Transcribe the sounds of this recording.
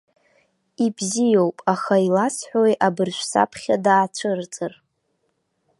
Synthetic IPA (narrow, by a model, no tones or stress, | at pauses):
ibzijowpʼaχailasʰħʷᶣojʔabɨrʃʷsa̰pʰχʲadaːt͡ʃʷʰɨrt͡sʼɨr